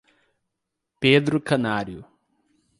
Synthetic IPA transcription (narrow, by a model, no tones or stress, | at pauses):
peːd̪ɾukɐnaːɾju